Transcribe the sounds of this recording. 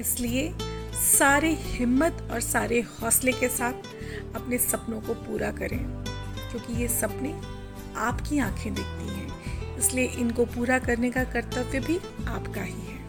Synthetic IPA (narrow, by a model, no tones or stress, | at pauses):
ɪsliesaːɾehɪmːət̪ɔːɾsaːɾehɔːslekesaːt̪ʰ | ɐpnesɐpnõkopuːɾakɐɾḛ̃ | kjõːkijesɐpne | aːpkiãːkʰẽd̪ɪk̚ʰt̪iɦɛ̃ːɪslieʔɪnkopuːɾakɐɾnekakɐɾt̪əbbʱi | aːpkaɦiɦɛː